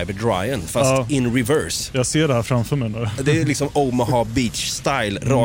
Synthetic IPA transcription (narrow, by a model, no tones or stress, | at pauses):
ɪvəd̪ɾa̰jənfast̪ːɪnɾɪvœɾsjɑːɡseːɖɛhæːɾfɾamfœːɾmɛjnʉd̪ɛlɪksɔmoʊmɔɦɑːbiːt̪t͡ʃst̪aɪlɾɑ